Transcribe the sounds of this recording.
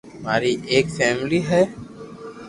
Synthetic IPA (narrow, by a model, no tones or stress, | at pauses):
maːɾiʔeːkfɛːmliɦɛː